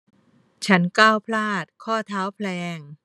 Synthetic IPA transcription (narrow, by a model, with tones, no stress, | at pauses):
t͡ɕʰa˦˥nkaː˥˩wpʰlaː˥˩t̪̚kʰɔː˥˩t̪ʰaː˦˥wpʰlɛː˧ŋ